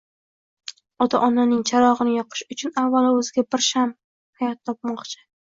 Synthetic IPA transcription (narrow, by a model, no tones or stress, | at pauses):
ɒt̪ʰa̰ʔɒnanɪŋt͡ʃʰaɾɒʁɨnɪjɒqʰɨ̥ʃʊt͡ʃʰʊnavːalaɵzɪɡʲabɪɾʃam | hajɒt̪ʰːɒp̚mɒqt͡ʃʰɪ̥